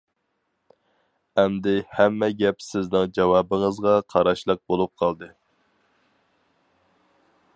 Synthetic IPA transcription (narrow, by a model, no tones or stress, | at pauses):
ɛmd̪ɪhɛmːɛɡʲɛpsɪznɪŋd͡ʒɑwɑːbəŋəzʁɑqʰɑɾɑʃlˠəq̚bolˠup̚qʰɑlˠd̪ɨ